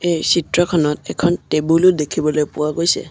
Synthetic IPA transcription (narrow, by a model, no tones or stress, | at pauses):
ejsitɹɔkʰɔnɔtɛkʰɔntebulʊdekʰibɔlojpʊwaɡojsɛ̰